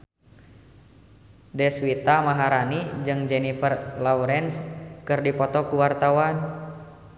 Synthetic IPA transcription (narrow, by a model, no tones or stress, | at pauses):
dɛswit̪amaɦaɾanid͡ʒɨŋd͡ʒɛnifərlauɾɛnskɨrdipɔt̪ɔkuwart̪awan